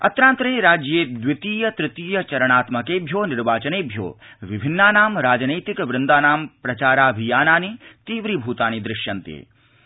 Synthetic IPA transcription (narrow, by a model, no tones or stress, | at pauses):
ɐ̰t̪ɾãːnt̪ɾeːɾaːd͡ʒjeːd̪ʋɪt̪iːjɐt̪ɾɪt̪iːjɐt͡ʃɐɾɐɽ̃aːt̪mɐkeːbʱjoːnɪɾʋaːt͡ʃɐneːbʱjo̰ːʋɪbʱɪnːaːnaːmɾaːd͡ʒneːt̪ɪkʋɾɪnd̪aːnaːmpɾɐt͡ʃaːɾaːɐbʱijaːnaːnit̪iːʋɾibʱuːt̪aːnid̪ɾɪʃjɐnt̪ḛː